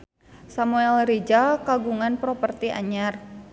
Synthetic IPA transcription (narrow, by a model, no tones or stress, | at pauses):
samuɛlɾid͡ʒakaɡuŋanpɾopərt̪iʔa̰ɲar